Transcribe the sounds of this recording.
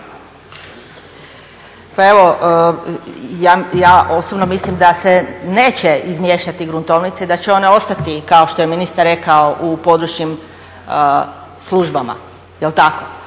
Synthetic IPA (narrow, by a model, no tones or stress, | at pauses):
pae̞ʋo̞ | jaːjaːo̞sobnomislimd̪asene̞ːt͡ɕeizmjeʃt̪at̪iɡɾunt̪o̞ʋnit̪seid̪at͡ɕeo̞ne̞o̞st̪at̪ikao̞ʃt̪oje̞minist̪aɾɾe̞kao̞ʔupo̞d̪ɾut͡ʃɲim | slˠuʒbama̰ | jelt̪ako